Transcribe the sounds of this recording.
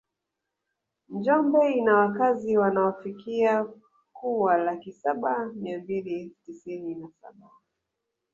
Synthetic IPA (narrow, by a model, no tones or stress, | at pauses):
ɲd͡ʒɔmbɛinawakaziwanaɔfikia | kuwalakisaɓamiambilitisininasa̰ɓa